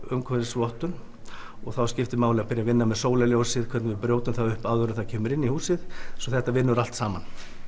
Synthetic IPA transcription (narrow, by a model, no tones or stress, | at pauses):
ʏmkʰɔɾsvɔht̪ʏn | ɔɣθawscɪft̪ɪmaːwlɪɣapɪɾjavɪnːamɛðsoːwlaljowsɪðkʰvɛt̪nɪvɪpɾjoːwt̪ʏnθaðʏhpaðʏɾʏθacʰɛːmʏɾɪnːihuːsɪðsɔθɛht̪avɪnːʏɾal̥t̪saːman